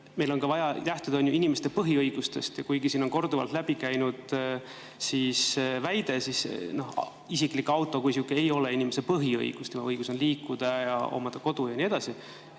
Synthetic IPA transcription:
me̞jlo̞nkɑvɑjɑt̪æht̪ud̪ɑonjuʔinime̞st̪e̞pɤɦiɤjɡ̥ust̪e̞st̪jɑkujɡ̥isiːnonko̞rd̪uvɑ̰lt̪læb̥ikæjnud̪̥ | sisvæjd̪̥e̞sisno̞h | isiklikːɑwt̪ːˑo̞kusjukːiejo̞leinimese̞pɤɦiɤ̰j̰ɡ̥ust̪jumɑɤjɡ̥uso̞nliːkˑːud̪̥ɑjɑ̰o̰mɑd̪̥ɑko̞d̪̥ujɑnie̞d̪̥ɑsi

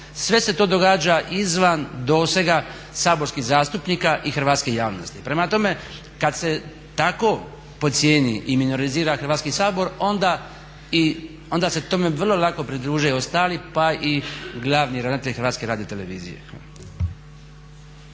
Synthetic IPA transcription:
sʋe̞se̞t̪oːd̪o̞ɡaːd͡ʒaʔizʋand̪oːsʋe̞ɡa | saːbo̞ɾskiɣzaːst̪upnikaʔixɾʋaːt̪skejaːʋno̞̰st̪ipɾe̞mat̪o̞me̞ | kad̪se̞ | t̪ako̞ | po̞t̪sjeːnḭʔimino̞ɾiziːɾaxrɾʋaːt̪skisaːbo̞ɾo̞nd̪a | i | ond̪ase̞t̪o̞me̞ʋrlˠo̞lˠako̞pɾid̪ɾuːʒujeost̪aːlipaʔiɡlˠaʋniɾanat̪elʲxɾʋaːt̪skeɾaːd̪iot̪e̞le̞ʋḭːzḭjḛ

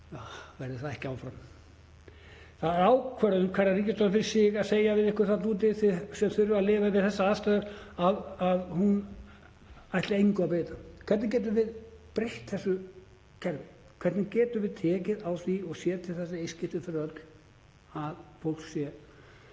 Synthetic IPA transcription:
avɛɾðɪθaðɛhcɪaːwfɾam | θaðɾaːwkʰvɛɾʏʏmkʰvaɾnaɾiːcːɪst̪ɔfɪɾɪsɪɣaðseːjavɪðɪhkʏɾ̥θat̪uːt̪̬ɪθɪsɛmθʏɾvʏaðlɪːvavɪðθɛsːaaːðst̪ajðaɾaðaðhun | ajht̪lɪejŋkʏapeːjt̪akʰɛt̪nɪc̬ɛːt̪̬ʏvɪð | pɾeht̪θɛsːʏ | cʰɛɾt̪ | kʰɛɾt̪nɪcɛːt̪ʏvɪðt̪ʰɛːcɪðawθiɔɣsjɛːt̪ʰɪlθɛsːaejscɪht̪ʏfɪɾœlk̪ | aðfowl̥kssjɛ

